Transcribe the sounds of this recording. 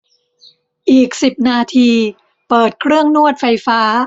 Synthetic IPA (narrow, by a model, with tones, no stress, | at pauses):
ʔiː˨˩k̚si˨˩p̚naː˧t̪ʰiː˧ | pɤː˨˩t̪̚kʰɾɯ˥˩əŋnu˥˩ət̪̚fa˧jfaː˦˥